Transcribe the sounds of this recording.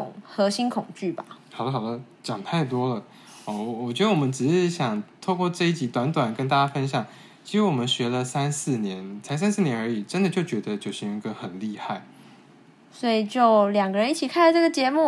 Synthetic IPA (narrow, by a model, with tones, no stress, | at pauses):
ʊ̰˨˩ŋxɤ˧˥ɕi˥nkʰʊ˨˩ŋt͡ɕy˥˩ba̰˨˩xɑ˨˩ʊd̪ə˦xɑ˨˩d̪ə˧˦ | t͡ɕjɑ˨˩ŋt̪ʰa˥˩ɪt̪wɔ˥lə˨ | ɔ˥˩wɔ˨˩t͡ɕɥɛ˧˥d̪ə˧wɔ˨˩mə˦nʈ͡ʂɻ̩˨˩ʂɻ̩˥˩ɕjɑ˨˩ŋt̪ʰo˥˧ʊkwɔ˥˧ʈ͡ʂɤ˥˧i˥˩t͡ɕi˧˥t̪wa˧˥nt̪wa˨˩nkə˥nt̪̬a˥˩t͡ɕja˥fə˥nɕjɑ˨˩ŋ | t͡ɕʰi˧˥ʂ̩˧˥wɔ˨˩mə˦nɕɥɛ˧˥lə˧sa˦˥nsɹ̩˥˩njɛ˧˦nt͡sʰa˧˥ɪs̬a˥nsɹ̩˥˩njɛ˧˥nə˞˧˥i˨˩ʈ͡ʂə˥nd̪ə˨t͡ɕjo˥˩ʊt͡ɕɥɛ˧˥d̪ə˧t͡ɕjo˥˩ʊɕi˥ŋi˧˥ɡə˧xə˨˩nli˥˧xa˥˩ɪ | swɔ˧˥i˨˩t͡ɕjo˥˩ʊljɑ˨˩ŋɡə˧ɻə˧˦i˥˩t͡ɕʰi˨˩kʰa˥˩nlə˨˩ʈ͡ʂə˥˩ɡə˩t͡ɕjɛ˧˦mu˥˨